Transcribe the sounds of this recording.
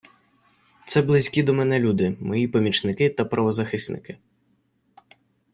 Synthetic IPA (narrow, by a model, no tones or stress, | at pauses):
t̪sɛblˠɪzʲkʲid̪ɔmɛnɛlʲud̪ɪmɔjipɔmʲit͡ʃnɪkɪt̪ɐpɾɐʋɔzɐxɪsʲnɪ̰kɪ